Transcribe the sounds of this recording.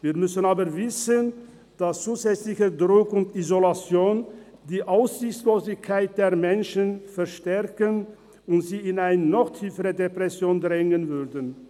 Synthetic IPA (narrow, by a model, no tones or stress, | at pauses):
viːɐmʏsənaːbəvɪsən | d̥ast͡suːzɛt͡slɪçədʁʊkʊntizolat͡sjoːn | d̥iːʔaʊsz̥ɪçt͡ssloːzɪçkʰːaɪt̚d̥eːɐmɛnʃənfɛɐʃtɛʁkən | ʊntz̥iːɪnaɪnənɔxtʰiːfəʁədepʁ̥ɛsjoːndʁɛŋənvʏʁdən